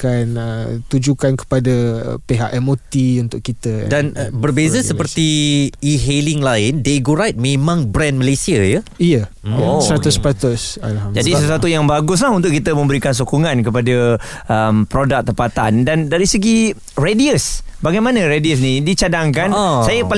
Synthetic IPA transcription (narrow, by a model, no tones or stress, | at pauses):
kanət̪ud͡ʒukankə̥pada̰peɦaʔemot̪iunt̪ʊʔkit̪ədanbərbezəsəpərt̪iiɦeliŋlaɪndeɡuɾajt̪̚mẽmãŋbɾɛ̃nməlasiajə | ijə | osɾat̪uspat̪əsa̰lhamd͡ʒadisəswat̪ujaŋbaɡʊs̬laɦunt̪ʊʔkit̪əmə̃mbəɾikans̬okuŋãnkəpadə | ʔəmpɾodak̚t̪əpat̪a̰ndandaɾisəɡi | rediəsbaɡajmãnə̃ɾediəs̬nidit͡ʃadaŋkanasajəpa